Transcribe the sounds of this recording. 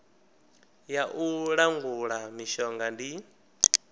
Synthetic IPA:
jaʔuɺaŋɡuɺamiʃɔŋɡandi

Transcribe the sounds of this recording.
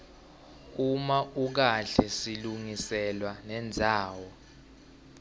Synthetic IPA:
umaʔuk̬aɬɛsiluŋisɛlwanɛnd͡zʱaːwɔ

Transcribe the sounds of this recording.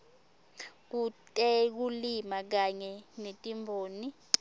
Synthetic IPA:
k̬utʼɛk̬ulimak̬aɲɛnetʼimbʱoːni

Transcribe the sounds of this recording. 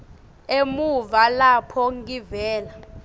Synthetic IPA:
emuvalapʰɔŋɡivɛːla

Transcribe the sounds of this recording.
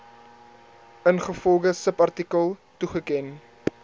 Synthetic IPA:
ʔənχəfɔlˠdəsəpɐrtikəlˠtuχəkɛn

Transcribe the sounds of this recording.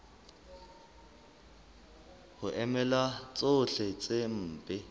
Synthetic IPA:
hʊʔɛmɛlat͡sʼoɬɛt͡sʼem̩ːpʼɪ

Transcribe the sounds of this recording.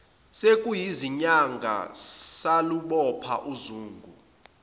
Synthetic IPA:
sekʼujiziɲaŋɡʱa̰saluɓɔpʰa̰ʔuzuːŋɡʱu

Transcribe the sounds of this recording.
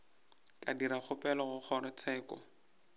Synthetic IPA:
kʼadiɾaχʊpʼɛlɔɣʊk͡xʰɔrɔt͡sʰɛːkɔ̰

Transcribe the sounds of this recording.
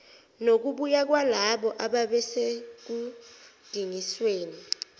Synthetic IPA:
nok̬uɓujak̬walaɓɔʔaɓaɓɛsek̬ud̥ʱiŋisweːni

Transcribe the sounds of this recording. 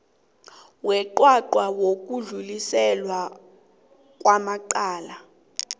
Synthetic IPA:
wɛǃwaǃwawok̬uɮulisɛlwa | k̬wamaǃaːla

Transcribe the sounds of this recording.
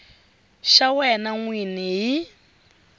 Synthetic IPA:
ʃawɛnaŋwiniɦi

